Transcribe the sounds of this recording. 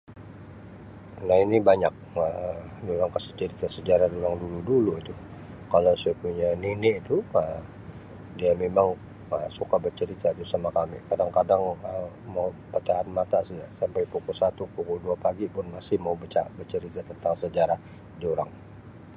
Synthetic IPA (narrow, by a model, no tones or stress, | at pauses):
nahinibaɲak̚ədioɾaŋkasi̥t͡ʃəɾit̪asəd͡ʒaɾahdoɾaŋduluduluit̪u | kalasiapuɲaninɪʔit̪uəm | diamemaŋ | əsukabərt͡ʃəɾit̪ad͡ʒ̪usamakamḭkadaŋkadaŋə | maupət̪aɦanmat̪asid͡ʒasampajpukʊlsat̪upukʊlduapaɡipʊnmasɪhmaubət͡ʃa̰bərt͡ʃəɾit̪at̪ənt̪aŋsəd͡ʒaɾah | dioɾaŋ